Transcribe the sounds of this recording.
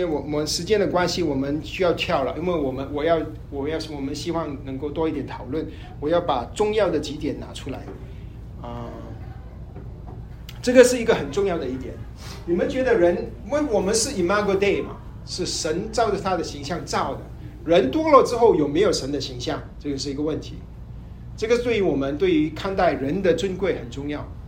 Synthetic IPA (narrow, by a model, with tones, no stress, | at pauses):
e˥˩ɪwɔ˨˩mə˧˦˥nʂɻ̩˧˥t͡ɕjɛ˥nd̪ə˨kwa˥nɕi˨wɔ˨˩mə˦nɕy˥jɑ˥˧ʊt̪ʰjɑ˥˩ʊlə̰˩ʔi˥nwe˥˩ɪwɔ˨˩mə˦nwɔ˨˩jɑ˥˧ʊ | wɔ˨˩jɑ˥˩ʊ˩wɔ˨˩mə˧˦nɕi˥wɑ˥˩ŋnɤ˧˥ŋko˥˩ʊt̪wɔ˥i˥˩jɛ˨˩nt̪ʰɑ˨˩ʊlwə˥˩n | wɔ˨˩jɑ˥˩ʊpa˨˩ʈ͡ʂʊ˥˧ŋjɑ˥˩ʊd̪ə˩t͡ɕi˧˥t̪jɛ˨˩˦nna̰˧˥ʈ͡ʂʰu˥la̰˧˥ɪ | ə˥˧˩ | ʈ͡ʂɤ˥˩ɡə˩ʂɻ̩˥˩i˧˥ɡə˧xə˨˩nʈ͡ʂʊ˥˧ŋjɑ˥˩ʊd̪ə˩i˥˩t̪jɛ̰˨˩˦n | ni˨˩mə˦nt͡ɕɥɛ˧˥d̪ə˧ɻə˧˥n | wə˥˩nwɔ˨˩mə˧˦nʂɻ̩˥˩i˨˩ma˥ɡo˧d̪e˥˩ɪmɐ̰˩ | ʂɻ̩˥˩ʂə˧˥nʈ͡ʂɑ˥˩ʊʈ͡ʂə˨˩t̪ʰa˥d̪ə˨ɕi˧˥ŋɕjɑ˥˧ŋʈ͡ʂɑ˥˩ʊd̪ə̰˩ | ɻə˧˥nt̪wɔ˥lɔ˥˧ʈ͡ʂɻ̩˥xo˥˩ʊjo˨˩ʊme˧˥ɪjo˨˩ʊʂə˧˥nd̪ə˧ɕi˧˥ŋɕjɑ˥˩ŋʈ͡ʂɤ˥˧jo˧˩ʂ̬ɻ̩˥˩i˧˥ɡə˧wə˥˩nt̪ʰḭ˧˥ | ʈ͡ʂɤ˥˩ɡə˩t̪we˥˩ɪy˧˥wɔ˨˩mə˦nt̪we˥˩ɪy˧˥kʰa˥˧nt̪a˥˩ɪɻə˧˥nd̪ə˨ʈ͡ʂwə˥nkwe˥˩ɪxə˨˩nʈ͡ʂʊ˥˧ŋjɑ˥˩ʊ